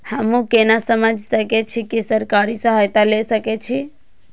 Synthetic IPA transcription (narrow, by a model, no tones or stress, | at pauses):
həmũkenasəməd͡ʒʱsəket͡ʃʰikisəɾkaɾisəɦajt̪alesəket͡ʃʰi